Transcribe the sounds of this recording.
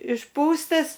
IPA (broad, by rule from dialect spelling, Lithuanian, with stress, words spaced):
ɪʃˈpuːstɐs